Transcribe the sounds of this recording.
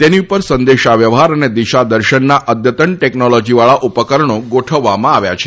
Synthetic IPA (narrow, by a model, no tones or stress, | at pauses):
t̪eniupəɾsənd̪eʃaʋjəʋɦaɾəned̪iʃad̪əɾʃənːaʔəd̪ʱjət̪əɳʈɛknɔlɔd͡ʒiʋaɭaʔupəkəɾəɳoɡoʈʰəʋːamãaʋja̰t͡ʃʰe̥